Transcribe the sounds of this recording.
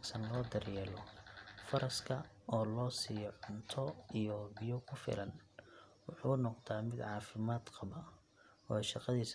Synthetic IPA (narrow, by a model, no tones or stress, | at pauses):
ɡsɐnlɔːd̪ɐrjɛːlɔfɐɾɐskʰɐ | ɔːlɔːsiːjɔʕʊnt̪ʰɔijɔbɪjɔkʰʊfɪ̰lʔɐnwʊħuːnɔqt̪ʰaːmɪd̪ʕɑːfɪmaːd̪qɑβa | ɔːʃɑqɑðiːs